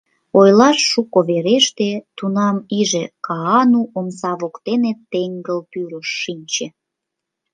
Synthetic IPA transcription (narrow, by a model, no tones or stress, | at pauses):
ojlɑʃːukoβeɾeʃt̪et̪unɑmiʒekɑɑnuʔomsɑβokt̪enet̪ːeŋɡəlt̪yɾəʃːinʲt͡ɕe